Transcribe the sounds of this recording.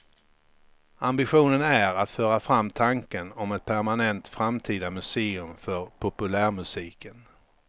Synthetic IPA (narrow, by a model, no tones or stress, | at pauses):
ambɪɧuːnənæɾat̪fœːɾafɾamːt̪ʰaŋkənɔmɛt̪̚pʰæɾmanɛnt̪fɾamt̪ʰiːd̪amɵseːɵmfœɾpʰɔpɵlæːɾmɵsiːkən